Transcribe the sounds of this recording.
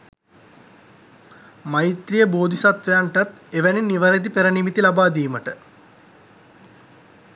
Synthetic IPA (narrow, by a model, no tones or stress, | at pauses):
majit̪rijəboːd̪ʱisat̪ʋejaɳʈat̪eʋæniniʋəɾed̪ipeɾənimit̪ilabaːd̪iːməʈə